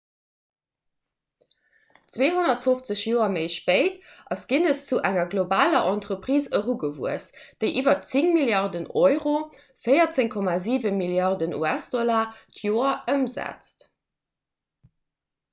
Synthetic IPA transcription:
t͡sweːɦonɐtfoft͡səɕjoːɐməɪʃpəɪtʔɑsɡ̥inəst͡suʔæŋɐɡlobaːlɐʔɑntʁəpʁiːsəʁuɡəvuəsd̥əɪʔiːvɐt͡siŋmiljɑʁdənʔɔʏʁo | fəɪɐt͡seŋkʰɔmaːziːvənmiljɑʁdənʔṵæsd̥ɔlaːtʰjoːɐʔəmzæ̰t͡st

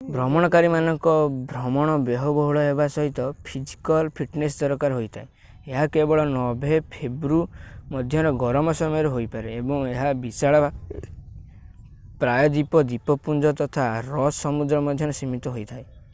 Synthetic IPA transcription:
bɾɔmɔɽ̃ɔkaɾimanɔŋkɔbʱɾɔmɔɽ̃ɔbeɦɔbɔɦuɭɔebasɔɦit̪ɔpʰid͡ʒi̥kɔlpʰiʈnesd̪ɔɾɔkaɾɦojt̪ʰae | eɦakebɔɭɔnɔbʱepʰebɾumɔd̪ʱjɔɾɔɡɔɾɔmɔsɔmɔjɔɾeɦojpaɾeːbɔŋeɦabisaɭɔba | pɾajɔd̪ipɔd̪ipɔpund͡ʒɔt̪ɔt̪ʰaɾɔsɔmud̪ɾɔmɔd̪ʱjɔɾɔsimit̪ɔɦojt̪ʰae

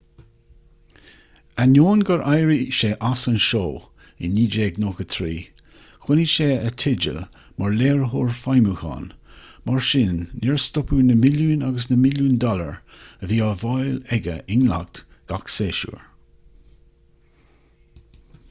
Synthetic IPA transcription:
anjoːnɡəɹʔajɹiʃeːʔasənʃoː | ɪ̰nːiːd͡ʒeːɡnoːkət̪ʰɾiː | xwɪniʃeːət̪ʰɪd͡ʒə̰l | maɹleːɹəɦoːɹfajmuxɑ̰ːnmʔaɹʃɪnːɪɹst̪ɔpuːnəmɪljuːnaɡəs̬nəmɪluːnd̪ɔlə̰ɹ | əviːɑːvɑjlɛɡə̰ʔɪnla̰ɡ̚t̪ | ɡ̥akseːʃṵːɹ

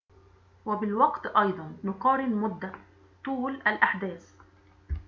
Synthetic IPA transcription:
wabɪlwɑqt̪ʔɑjd̪ˤɑnːʊqɑːɾɪlmʊd̪ːa | t̪ˤuːlalʔaħd̪æːs

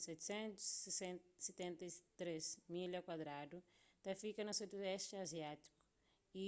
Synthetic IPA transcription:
sɛt̪sẽnt̪uzsesẽset̪ẽnt̪ɐit̪ɾezmilɐkwad̪ɾad̪ut̪ɐfikɐnɐsed̪uɛʃt͡ʃaziat̪i̥ku̥ | i

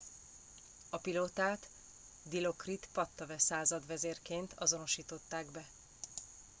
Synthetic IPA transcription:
ɒpiloːt̪aːt̪ | d̪ilo̞krit̪pɒt̪ːɒvɛsaːzɒd̪vɛzeːrkeːnt̪ʰɒzo̞no̞ʃiːt̪o̞t̪ːaːɡbɛ

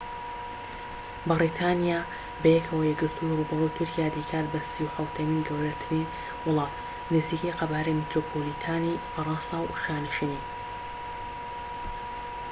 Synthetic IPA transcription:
bɨɾit̪ʰaːnijaː | bɐjɛkʰɐwɐjɛɡɨɾt̪ʰurubɐrujt̪ʰʊɾkijaːd̪ikʰaːt̪bɐsiwħɐwt̪ʰɐmiːnɡɐwɾɐt̪ʰɨni | wʊlˠɑːf | nɨziːkejqɐbaːɾɐjmit̪ɾoːpʰolit̪ʰaːnifɐɾˤɑnsɑwʃaːnɨʃini

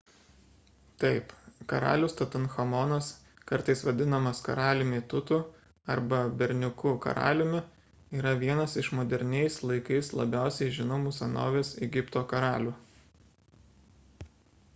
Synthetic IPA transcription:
t̪ɐɪpkɐɾɑ̰ːlʲʊːst̪ɐt̪ʊnxɐmɔnɐs | kɐɾt̪ɐɪsʋɐd̪ʲɪnɐmɐskɐ̰ɾɑːlʲɪmʲɪt̪ʊt̪uːˑ | ɐɾbɐbʲɛɾʲnʲʊkʊkɐ̰ɾɑ̰ːlʲɪmʲɪ | iːɾɐʋʲiɛnɐsɪʃmoːd̪ʲɛɾʲnʲɛɪslˠɐɪkɐɪslˠɐ̰bʲæˑʊsʲɛɪʒʲɪnomʊsɐno̰ːʋʲeːsɛɡʲɪpt̪oːkɐɾɑːlʲuː

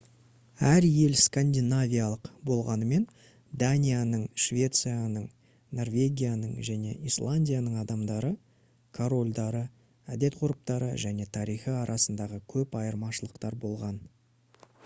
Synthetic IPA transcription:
æɾje̞lskanʲd̪ʲinavʲijalˠəqbo̞lˠʁɑnəme̞n | d̪anʲijanəɴʃvʲe̞t̪sɨjanəɴ | no̞rvʲe̞ɡʲijanəɴʒæne̞̰ʔijslˠanʲdʲijanəɴɑd̪ɑmd̪ɑɾə | kʰoɾo̞lʲd̪ɑɾə | æd̪e̞t̪qʰʊɾəp̚t̪ɑɾə̰ʒæne̞t̪ʰɑɾijχəɑɾʔɑsənd̪ɑʁəkʲʰɵpɑjəɾmɑʃəlˠəqt̪ɑɾbo̞lˠʁɑn

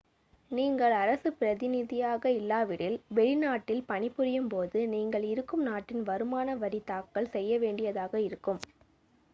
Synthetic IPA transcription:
niːŋɡɐɭɐɾɐsɯpɪɾɐðɪnɪðɪjaːɣɐɪlːaːʋɪɽɪlʋɛɭɪnaːʈːɪlpɐnɪpːɯɾɪjɯmpoːðɯniːŋɡɐɭɪɾɯkːɯmnaːʈːɪnʋɐɾɯmaːnɐʋɐɽit̪aːkːɐɭsɛjːɐʋeːɳɖɪjɐðaːɣɐɪɾɯkːɯm

